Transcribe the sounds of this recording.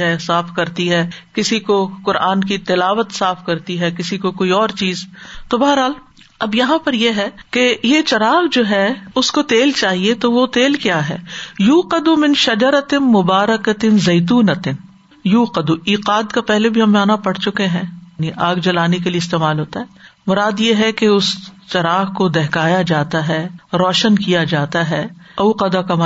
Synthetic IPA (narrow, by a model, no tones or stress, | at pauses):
ɦɛsaːfkɐɾt̪iɦɛːkɪsikokʊɾʔaːnk̬it̪ɪlaːʋət̪saːfkɐɾt̪iɦɛːkɪsikokoːiɔːɾt͡ʃiːzt̪obɐɦəɾɦaːl | ɐbjɐɦãpɐɾjeɦɛkejet͡ʃɐɾaːʋd͡ʒoːɦɛʊskot̪eːlt͡ʃaːɦiet̪oʋot̪eːlkjaːɦɛ̰ːjuːqɐd̪umɪ̃nʃɐd͡ʒɐɾɐt̪ɪmʊbaːɾɐkɐt̪ɪnzɐɪt̪̬uːnɐt̪ɪn | juːqɐd̪uiːqaːd̪kapɛɦlebʱiɦɐmaːnapɐɽt͡ʃʊkeɦɛ̃ːniʔaːɡd͡ʒɐlaːnekelieɪst̪eːmaːlɦoːt̪aɦɛːmʊɾaːd̪jeɦɛkeʊst͡ʃɐɾaːɦkod̪ɛɦkaːjad͡ʒaːt̪aɦɛːɾɔːʃənkijad͡ʒaːt̪aɦɛːɐːqɐd̪akɐma